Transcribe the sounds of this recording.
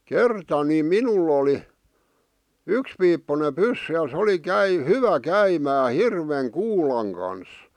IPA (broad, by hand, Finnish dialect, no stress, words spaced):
kertɑ ni minul oli ykspiːpːune pysːy jɑ sĕ oli kæi hyʋæ kæimæː hirʋeŋ kuːlɑŋ kɑns